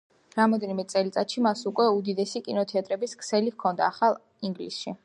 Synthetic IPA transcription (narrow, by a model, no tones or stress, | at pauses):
ɾamɔd̪ɛnimɛt̪sʼɛlit̪sʼat̪ʃimasukʼwɛud̪id̪ɛsikʼinɔt̪ʰɛat̪ʼɾɛbiskʰsɛlihkʰɔnd̪a̰ːχalˠ | iŋɡlḭsʃi